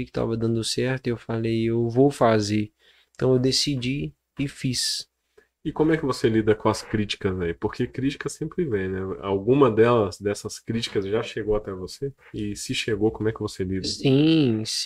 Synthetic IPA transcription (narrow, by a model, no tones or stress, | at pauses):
kɪ̥t̪a̰vɐd̪ɐ̃nd̪ʊsɛɾt̪ewfalejewvowfazeɾ | ẽt̪ɐ̃w̃ewd̪esid͡ʒi | ɪfis | ɪkõmʊɛkɪvoselid̪ɐkõɐskɾit͡ʃi̥kɐzaipoɾkekɾit͡ʃi̥kɐsẽmpɾɪvẽj̃nɛa̰wɡũmɐd̪ɛlɐzd̪ɛsɐskɾit͡ʃi̥kɐzʒaʃeɡowat̪ɛvose | ɪsɪʃeɡokõmʊɛkɪvoselidɐĩs